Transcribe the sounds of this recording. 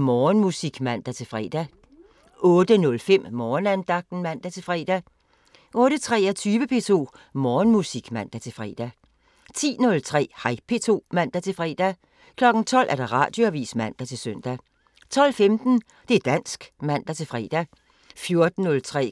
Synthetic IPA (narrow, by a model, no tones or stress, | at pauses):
mɒːnmusiɡ̥mæn̰d̥æt͡sʰe̝lfʁɛ̰ːd̥æ | ɔ̽ːd̥ənɔ̽lfem̰mɒːnænd̥ɑ̈ɡ̥̚d̥n̩mæn̰d̥æt͡sʰe̝lfʁɛ̰ːd̥æ | ʔɔ̽ːɾ̥ət͡sʰʁɛːæt͡sʰyːʋəpʰe̝t͡sʰo̝̰ːmɒːnmusiɡ̥mæn̰d̥æt͡sʰe̝lfʁɛ̰ːd̥æ | t͡sʰḭːnɔ̽lt͡sʰʁɛ̰ːhɑ̈ɪ̰pʰe̝t͡sʰo̝̰ːmæn̰d̥æt͡sʰe̝lfʁɛ̰ːd̥æ | kʰlɒ̽ɡ̥n̩t͡sʰɒ̽l̰ʔæɐɾ̥ɑ̈ʁɑ̰̈d̥joæʋḭːsmæn̰d̥æt͡sʰe̝lsœn̰d̥æ | t͡sʰɒ̽l̰femd̥n̩ | d̥e̝æɐd̥æn̰sɡ̥mæn̰d̥æt͡sʰe̝lfʁɛ̰ːd̥æ | fjo̝ɐd̥n̩nɔ̽lt͡sʰʁɛ̰ː